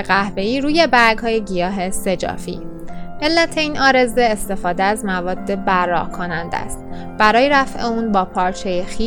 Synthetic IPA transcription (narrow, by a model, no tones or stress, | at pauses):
ɢæhbe̞iːɾuːje̞bæɾɡhɒːjeɟijɒːɦe̞se̞d͡ʒɒ̰ːfḭː | ʔe̞lːæt̪ʰe̞iːnɒːɾe̞ze̞ːst̪e̞fɒːd̪eæzmævɒːd̪ːe̞bærːɒ̰ːhkʰonænd̪æ̰st̪ | b̥æɾɒːjeɾæfʔeuːnbɒːpʰɒːɾt͡ʃʰe̞jexiː